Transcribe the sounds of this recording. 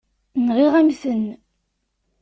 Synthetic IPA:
nʁiʁæmθən

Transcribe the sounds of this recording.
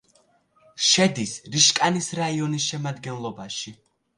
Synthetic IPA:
ʃɛd̪isɾiʃkʼanisɾaiɔnisʃɛmad̪ɡɛnlˠɔbaʃi

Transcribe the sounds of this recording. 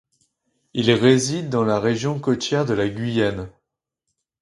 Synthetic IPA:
ilʁezid̪ːɑ̃laʁeʒjɔ̃kɔt̪jɛʁd̪əlaɡʲɥijan

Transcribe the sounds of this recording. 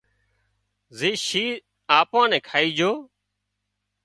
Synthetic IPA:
zeːʃiː | aːpãːnɛ̃ːkʰaːiːd͡ʒoː

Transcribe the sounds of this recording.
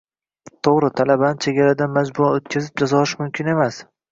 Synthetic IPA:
t̪ʰoʁɾɪt̪ʰalabanɪt͡ʃʰe̞ɡʲaɾad̪anmad͡ʒbʊaot̪kʲʰazɪb̚d͡ʒazɒɪʃmʊmkʲʰɪne̞mas

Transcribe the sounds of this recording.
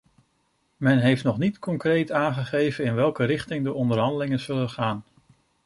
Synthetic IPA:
mɛnɦejftnɔχnitkɔŋkrejtaːnχəχejvənɪnʋɛlˠkəɾɪχtɪŋdəʔɔndəɹɦɑndəlɪŋənz̥ɵlənχaːn

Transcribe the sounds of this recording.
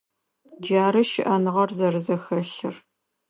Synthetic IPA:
d͡ʒaːɾɨʃɪʔɐnɨʁɐrzɐrɨzɐxɐɬɨr

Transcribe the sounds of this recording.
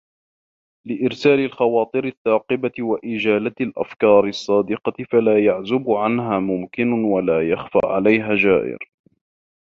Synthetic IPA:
lɪʔɪɾsaːlɪlxɑwɑːt̪ˤɨɾɪθːɑːqɨbawaʔɪd͡ʒaːlat̪alʔa̰fkɑːɾɪsˤːɑːd̪ɪqɑtɪfalaːjaʕzʊbʕanɦaːmʊmkɪnwalaːjɑxfa̰ːʕalajɦaːd͡ʒaːʔɪ̰ɾ

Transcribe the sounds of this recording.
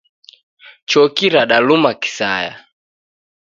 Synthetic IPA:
t͡ʃɔkiɾaɗalumaki̥saja̰

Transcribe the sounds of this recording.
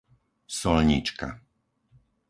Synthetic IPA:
sɔlɲḭt͡ʃka̰

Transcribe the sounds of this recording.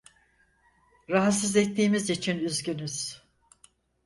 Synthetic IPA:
ɾaɦat̪s̬ɯzɛt̪ːiːmizit͡ʃʰinyzɟynyz̥

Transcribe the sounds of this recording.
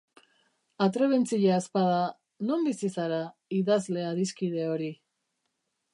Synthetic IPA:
at̪ɾe̞βe̞nt͡siʎaespaða | no̞mbisisaɾaiðazle̞aðiskið̞e̞o̞ɾi

